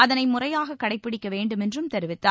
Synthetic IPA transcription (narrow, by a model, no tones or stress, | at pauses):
ɐðɐnɐɪmʊrɐjaːɣɐkːɐɽɐɪpːɪɽɪkːɐʋeːɳɖɯmɛndrɯmt̪ɐɾɯʋɪt̪ːaː